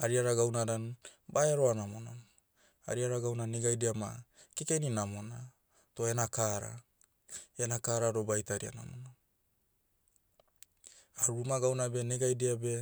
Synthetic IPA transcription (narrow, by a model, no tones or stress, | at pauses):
aɾiaɾaɡawnaɾanbaeaɾoanamonon | a̰ɾiaɾaɡawnaneɡajdeama̰kekeninamo̞na | to̞e̞nakaɾa̰ | enakaɾaɾo̞bajtaɾia̰na̰mono | aɾuɾumaɡawnabe̞neɡajdeabe̞